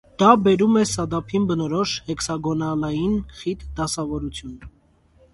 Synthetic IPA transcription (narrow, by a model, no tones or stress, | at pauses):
d̪̥ɑbɛɾumɛsɑd̪ɑpʰinbənɔɾɔʃhɛksɑɡɔnɑlɑjinχit̪d̪ɑsɑvɔɾut͡sʰjun